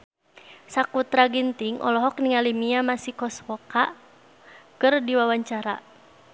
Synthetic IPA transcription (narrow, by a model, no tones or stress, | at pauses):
sakut̪ɾaɡint̪iŋʔɔ̰lɔɦɔkniŋalimiamasikɔswɔka | kɨrdiwawaɲt͡ʃaɾa